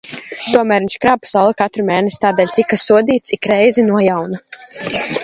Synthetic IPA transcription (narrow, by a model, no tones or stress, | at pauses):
t̪uɔmæːɾvint͡ʃkɾaːb̚pḁsawlˠɛkat̪ɾumɛːnɛsʲi̥t̪aːd̪ɛːlʲt̪ikasuɔd̪iːt̪sikɾɛjzinuɔjawna